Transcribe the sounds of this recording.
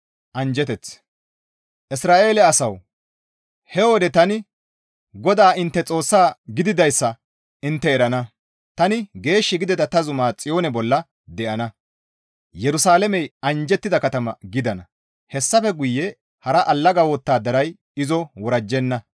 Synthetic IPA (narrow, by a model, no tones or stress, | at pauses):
ʔɐnd͡ʒɛt̪ɛt͡s | ʔɪsɾaːʔe̞ːlɛɐsɐw | hɛwɔd̪ɛt̪ɐnɪ | ɡɔd̪aːʔɪnt̪ːɛt͡sʼo̞ːsːaːɡɪd̪ɪd̪ɐjsːɐ | ɪnt̪ːɛːɾɐnɐ | t̪ɐnɪɡe̞ːʃːɪɡɪd̪ɪd̪ɐt̪ɐzʊmaːt͡sʼɪjo̞ːnɛbɔlːɐ | d̪ɛʔɐnɐ | jɛɾʊsaːlɛmɛjɐnd͡ʒɛt̪ːɪd̪ɐkɐt̪ɐmɐɡɪd̪ɐnɐ | hɛsːɐfɛɡʊjːɛ | hɐɾɐʔɐlːɐɡɐwoːt̪ːaːd̪ɐɾɐj | ɪzɔwɔɾɐd͡ʒːɛnːɐ